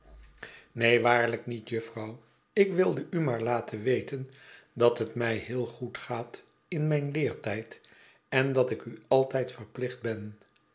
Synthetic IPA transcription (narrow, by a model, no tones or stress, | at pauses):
nejʋaːɹləknitjɵfrɑw | ɪkʋɪlˠdəʔymaːɹlaːtʰəʋejtən | dɑtɦətmɛjhɪːlˠχutχaːt | ɪnmɛjnlɪːɹtɛjt | ɛndɑtɪkyɑlˠtɛjtfərplɪχd̚bɛn